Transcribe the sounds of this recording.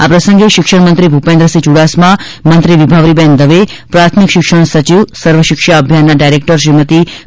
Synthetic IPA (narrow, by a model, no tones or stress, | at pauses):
apɾəsəŋɡeʃɪkʃəɳmənt̪ɾibʱupẽnd̪ɾəsit͡ʃuɽasmã | mənt̪ɾiʋibʱaʋɾibɛnd̪əʋe | pɾat̪ʰmikʃɪkʃəɳ̃sət͡ʃiʋsəɾʋəʃɪkʃaəbʱjanːaɖajɾek̚ʈəɾʃɾimət̪i